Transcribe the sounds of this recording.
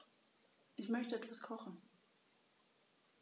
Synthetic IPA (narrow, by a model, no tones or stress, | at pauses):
ʔɪçmœçtəʔɛtv̥askʰɔχn̩